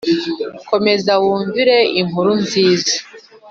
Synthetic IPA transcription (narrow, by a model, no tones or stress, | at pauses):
ko̞me̞zawuːɲvuɾe̞imuɾunziːzḁ